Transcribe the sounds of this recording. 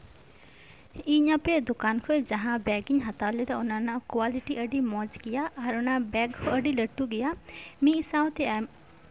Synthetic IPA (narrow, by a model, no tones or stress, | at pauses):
iːɲãped̪ʊkaːnkʰoed͡ʒɐɦãbɛːɡɪɲɦɐt̪aled̪aʊnãnãkwaːlɪʈiʔəɖimɔ̃ːd͡ʒkɪjaːʔɐɾʊnãbɛːɡkʰoəɖiləʈːuɡɪjaːmĩsãːʊ̃t̪ʰe